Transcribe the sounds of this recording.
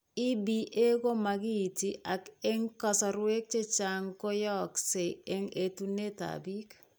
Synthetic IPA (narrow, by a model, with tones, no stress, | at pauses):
i˦biʔe˦ko˦maki˦tiʔa˨kɛ˦ŋkɔsɔɾwe˦k̚t͡ʃe˦t͡ʃaŋko˦jɔkse˨eŋetune˦ta̰bi˦k